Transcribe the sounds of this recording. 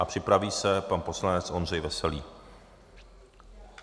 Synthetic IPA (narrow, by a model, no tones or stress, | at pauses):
ʔapr̥ɪpɾaviːsɛpanpo̞slanɛt͡sʔo̞nr̝ɛjvɛsɛlḭː